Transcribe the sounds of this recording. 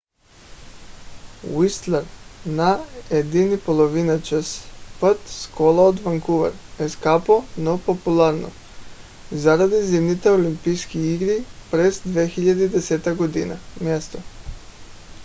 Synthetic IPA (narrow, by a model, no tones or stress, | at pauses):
ist̪leɾnaed̪inipolˠoʋinat͡ʃəspat̪skolaod̪ʋaŋkuʋa̰ɾeskaponopopulˠaɾno̰ | zaɾad̪izimnit̪eolimpijskiiɡɾipɾesd̪ʋexiʎad̪eid̪eset̪aɡod̪inamjest̪o